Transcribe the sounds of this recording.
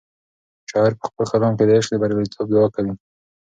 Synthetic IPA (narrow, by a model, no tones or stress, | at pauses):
ʃɑɪɾpə̥xpəlxalɑmked̪əeʃd̪əbaɾalit̪ʰob̚d̪awɑkawi